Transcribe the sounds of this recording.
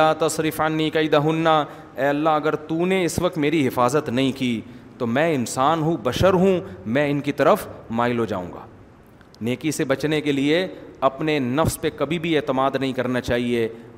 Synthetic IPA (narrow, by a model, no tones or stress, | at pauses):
aːt̪ɐsɾiːfanːiːkaːid̪aɦʊnːa | ɛːɐlːaɦɐɡəɾt̪uːneɪsʋɐk̚t̪meːɾiɦɪfaːzət̪nɐɦĩkiːt̪omɛ̃ɪnsaːnɦũbɐʃəɾɦũmɛ̃ɪnkit̪ɐɾəfmaːɪlɦod͡ʒa̰ːṵ̃ːŋɡa̰ː | neːkisebɐt͡ʃnekelieɐpnenɐfspekɐbʱibʱieːt̪əmaːd̪nɐɦĩkɐɾnat͡ʃaːɦie